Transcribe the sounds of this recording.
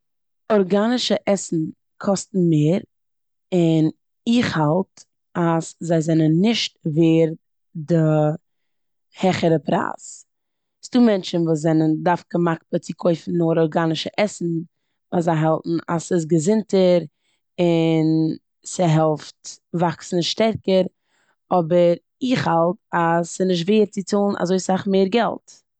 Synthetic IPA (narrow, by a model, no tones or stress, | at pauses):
ɔɾɡanɪʃəʔɛsn̩ | kʰɔstn̩meːɾ | ɪn | ɪχhalˠt | aszaɪzɛnənːɪʃt̚veːɾ | dɪ | hɛχəɾəpɾa̰ːs | sd̥uːmɛnt͡ʃənvuːzɛnəndaɾfɡ̥əmak̚pət͡sɪkʰɔɪfn̩noːɾɔɾɡanɪʃəʔɛsn̩ | vaːszaɪɦɛlˠtn̩a̰sɪs̬ɡəzɪntəɾ | ɪn | səɦɛlˠftvaksn̩ʃtɛɾkəɾ | ɔbəɾ | ɪχhalˠtasɪnɪʃ̬tveːəɾt͡sɪt͡suːlˠnʔa̰zoɪsaχmeːɾɡɛ̰lˠt